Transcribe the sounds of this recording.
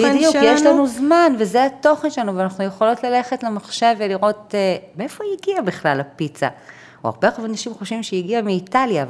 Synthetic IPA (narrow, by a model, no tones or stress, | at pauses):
bid̪jukjeʃlanuzmanvezeato̞χenʃeanuveanaχnujeχo̞lo̞tlale̞χe̞tlemaχʃe̞veliʁo̞tmeefojiɡiabiχlalapit͡sa̰ | o̰a̰ʁbeχvanaʃimχo̞ʃvimʃejiɡiameitaljav